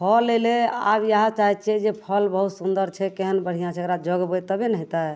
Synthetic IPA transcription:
pʰəlːelea̰bjaɦãt͡ʃaɦɛt͡ʃʰɛd͡ʒepʰəlbəɦut̪sund̪əɾt͡ʃʰɛkeɦənbəɽ̤ijãt͡ʃʰɛkɾad͡ʒəɡbət̪əbenəɦit̪a

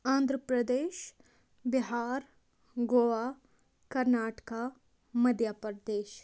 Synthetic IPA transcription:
ãːnd̪ʱɾəpɾəd̪eːʃ | bɪɦaːɾ | ɡoːʋa | kɐɾnaːʈka | mɐd̪japəɾd̪eːʃ

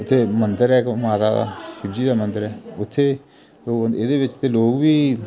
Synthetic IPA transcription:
ʊt̪ʰːeːmənd̪əɾɛːkmaːt̪a̰ːd̪a̰ːʃɪbd͡ʒiːd̪aːmənd̪əɾɛːʊt̪ʰːeː | oːɪd̪eːʋɪt͡ʃt̪eːloːkbiː

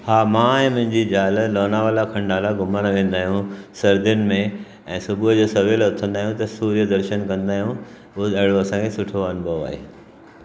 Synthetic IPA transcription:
haːmãɛ̃ːmʊ̃ɦɪ̃ɲd͡ʑid͡ʑaːllɔːnaʋaːlakʰɐ̃ɳɖaːlaɡʊməñʋẽːn̆d̪aːɦijũsɐɾd̪ɪjʊnɪ̆mẽ | ɛ̃ːsʊbʱʊd͡ʑoːsɐʋelʊt̪ʰə̃nd̪aːɦijũt̪ɐsuːɾjəd̪ɐɾʃənkɐ̃nd̪aːɦijũ | ʊɐɦɪɽoɐsãkʰesʊʈʰoɐnbʱəʋa̰ːɦḛː

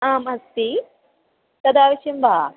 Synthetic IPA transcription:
aːmɐst̪i | t̪ɐd̪aːʋɐʃɐmbaː

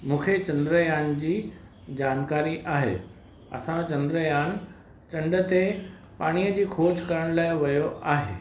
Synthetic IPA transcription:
mũːkʰet͡ɕɐ̃nd̪ɾəjaːnd͡ʑiː | d͡ʑaːnkaːɾiʔaːɦḛː | ɐ̰sãt͡ɕɐ̃nd̪ɾəjaːn | t͡ɕɐ̃ɳɖət̪e | paːɽ̃ijəd͡ʑiːkʰoːd͡ʑkɐɾəɽ̃laːɪʋɐjoʔaːɦḛː

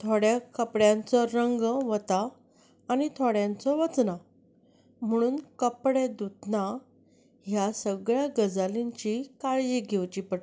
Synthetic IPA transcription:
t̪ʰoɽjakəpɽjãnt͡sɔɾəŋɡʋət̪aː | nit̪ʰoɽjãnt͡sɔʋət͡sna | m̤əɽ̃uːnkəpɽed̪ut̪na | ɦjasəɡɭjaɡəd͡zaliɲt͡ɕikaɭjiɡʱewt͡ɕipəʈ

